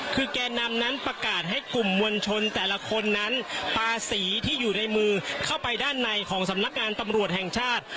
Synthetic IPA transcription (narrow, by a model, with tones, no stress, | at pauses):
kʰɯː˧kɛː˧nːa˧mna˦˥npɾa˧kaː˨˩t̪̚ɦa˥˩jklu˨˩mːu˧ənt͡ɕʰo˧nt̪ɛː˨˩la˦˧˥kʰo˧nːa˦˥npʰaː˧siː˩˦t̪ʰiː˥˩juː˨˩na˧jmɯː˧kʰa˥˩wpa˧jdaː˥˩nːa˧jkʰɔː˩˦ŋsa˩˦mna˦˥k̚ŋaː˧nt̪a˧mɾu˨˩ət̪̚hɛ˨˩ŋt͡ɕʰaː˥˩t̪̚